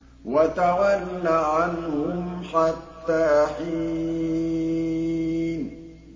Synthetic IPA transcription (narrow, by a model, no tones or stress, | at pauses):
wat̪awanːaʕanhʊmħat̪ːaːħiː | n